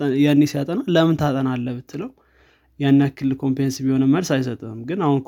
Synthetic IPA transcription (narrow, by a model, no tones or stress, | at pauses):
janːesjat̪ʼənaləmɨnt̪ʰat̪ʼənalːəβɨt̪ʰːɨləw | janːjakʰːɨlːɨlkʰo̞mpɾensbiho̞nəmːəlsajsət̪ʼəmɡɨnahunk